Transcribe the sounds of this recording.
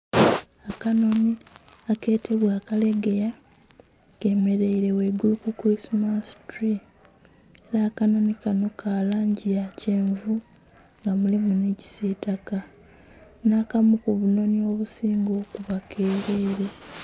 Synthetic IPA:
akano̞ni | ake̞ːtʰe̞βwaːkale̞ɡe̞ja | ke̞ːme̞ɾe̞iɾe̞we̞ɡulukukuɾismastɾi | eɾaːkano̞nikano̞kʰaːlaːɲɟijace̞ːɱvu | ŋɡamulimuneci̥seːtaka | naːkamukuβuno̞nio̞βusiːŋɡo̞ːkuβakʰe̞ːɾe̞ːɾe̞

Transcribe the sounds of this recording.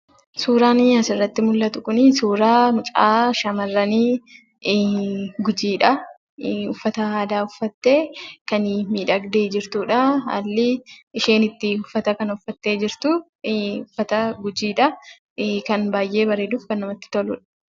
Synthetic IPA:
suːɾaːnɪɐsɪrːɐt̪ːɪmʊlːɐt̪ʊkʊnɪsuːɾaːmʊt͡ʃʼaːʃɐmɐrːɐniː | ɡʊd͡ʒiːᶑɐ | ʊfːɐt̪ɐaːd̪aːʊfːɐt̪ːeːkɐnmiːᶑɐɡd̪eːd͡ʒɪɾt̪uːᶑɐɐ̰lːɪɪʃe̞ːnɪt̪ːɪʊfːɐt̪ɐkɐnʊfːɐt̪ːe̞ːd͡ʒɪɾt̪ʊ | ʊfːɐt̪ɐɡʊd͡ʒiːᶑɐ | kɐnbaːjʔe̞ːbɐɾeːd̪uːfkɐnːɐmɐt̪ːɪ̥t̪ɔlʊ̰ᶑɐ̥

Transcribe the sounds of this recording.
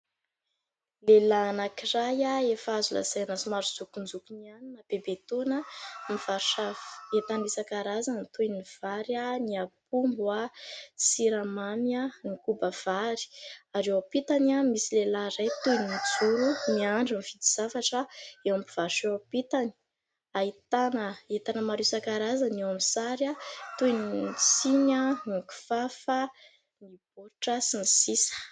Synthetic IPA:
lelaːnakirajaefazula̰zajnasumaɾud͡zukund͡zukunianinab̥ebet̪onamiv̥aɾu̥ʃaet̪anisakaɾazanit̪ujniv̥aɾaniapumbwasiɾamamianikubəv̥aɾi̥aɾewapit̪anamisilelaɾajt̪ujnid͡zuɾuniaɳɖ͡ʐamivid̪iz̥afaʈ͡ʂəewampiv̥aɾʃeapit̪ani̥ | ait̪anəit̪anəmaɾusakaɾazanewamisaɾjat̪unit͡siɲaniku̥fafə | nib̥oɾuʈ͡ʂəsinisisə̥

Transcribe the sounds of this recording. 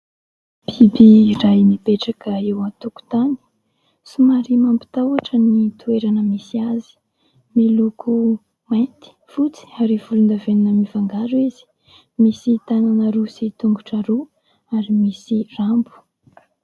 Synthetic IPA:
b̥ibiːɾajnipeʈ͡ʂakəewat̪uku̥t̪ani̥ | sumaɾimampi̥t̪awaʈ͡ʂənit̪ueɾanəmisiazi̥ | milukʰu | majnt̪i̥fut͡si̥aɾivulund̪aveninəmivaŋɡaɾuizi̥ | misit̪ananaɾusit̪uŋɡuʈ͡ʂaɾu | aɾimisirambu̥

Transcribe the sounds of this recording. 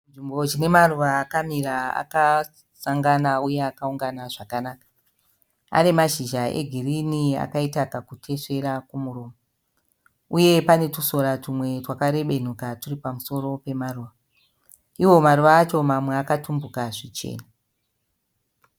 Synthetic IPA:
nʐimbo̞d͡ʒine̞maruʋaːkamiɾaa̰ka | saŋɡanauje̞akauŋɡanaʐakanaːkḁ | a̰nemaʒiʒae̞̰ɡʱirinia̰kaitakakutʰe̞ʂe̞ɾakumuroːmo | uje̞pane̞tuso̞ɾatumwe̞twakaɾe̞ɓe̞n̤ukaturipamuso̞ro̞pemaruʋa | iwo̞maɾuʋaːt͡ʃo̞mamwe̞akatumbukaʐit͡ʃḛːna

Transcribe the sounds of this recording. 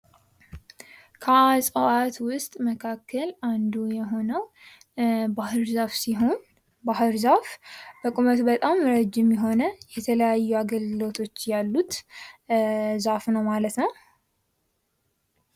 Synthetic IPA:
kʰəasʼəwat̪wʊst̪ʼməkʰakːəland̪ujɛɦo̞nəw | bahɨɾzafsiɦo̞n | baɦɨɾzafb̥əkʼumət̪bət̪ʼamɾəd͡ʒːɪmjɛɦo̞nəjɛt̪ʰələjajːuaɡəlɡɨlo̞t̪ʰo̞t͡ʃːjalːut̪ | zafnəwmalət̪nəw

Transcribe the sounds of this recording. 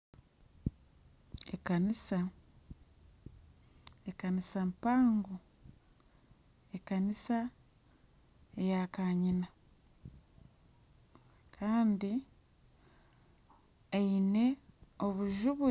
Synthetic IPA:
ekanisa | ekanisampaːŋɡo | ekanisa | ejakaɲina | kʰaːndi | eine̞o̞βuʒuβu

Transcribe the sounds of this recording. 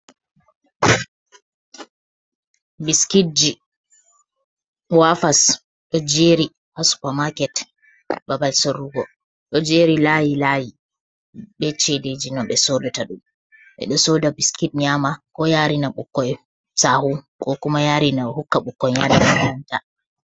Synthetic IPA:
biskit̚d͡ʒi | wafas | ɗɔd͡ʒeɾi | hasu̥pamakɛt | babalsoɾuɡɔ | ɗɔd͡ʒeɾilajilaji | ɓɛt͡ʃeded͡ʒinɔɓɛsodɔtaɗum | ɓɛ̰ɗɔsodabiskitɲamakɔjaːɾinaɓukːɔj | sahukkɔkumajaːɾinahukːaɓukːɔjɲadanananta

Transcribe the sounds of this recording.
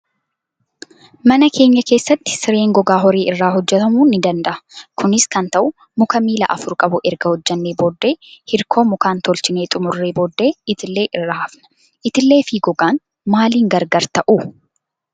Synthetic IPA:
mɐnɐkʰe̞ːɲːɐke̞ːsːɐt̪ːɪ̥sɪɾe̞ːŋɡɔɡaːɦɔɾeːʔɪrːaːɦɔd͡ʒːɛt̪ɐmuːnɪd̪ɐnd̪ɐʔɐ̥kʰʊnɪskɐnt̪ɐʔʊ | mʊkɐmiːlɐ̰ʔɐfʊɾkʼɐbʊʔɛɾɡɐhɔd͡ʒːɛnːeːboːd̪ːe̞ːhɪɾkʰo̞ːmʊkaːnt̪ɔlt͡ʃɪne̞ːt̪ʼʊmʊrːeːboːd̪ːe̞ːɪt̪ɪlːe̞ːʔɪrːaːɐfnɐ̥ | ʔɪt̪ɪlːe̞ːfiːɡɔɡaːn | maːliːŋɡɐɾɡɐɾt̪ɐʔuː

